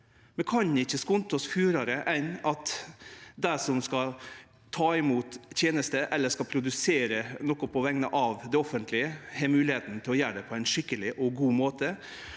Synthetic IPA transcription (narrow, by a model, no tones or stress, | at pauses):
mɛnkʰɑnɪçːəskʊnt̪ɔsfʉːɾɑɾəʔɛnɑt̪ | d̪æɾʂɔmskɑ | t̪ʰɑːɪmuːt̪t̪ʰjeːnəst̪əʔɛlːəʂkɑpʰɾʊd̪ʉseːɾənɔkːʊpʰɔʋɛŋnəʔɑʋd̪ɛɔfənt̪ʰlɪəhɛːmʉːlɪheːt̪nt̪ʰɪlɔjæːɖ̪ɛpʰɔæɪnʂɪkːəlɪʔɔɡuːmoːt̪ə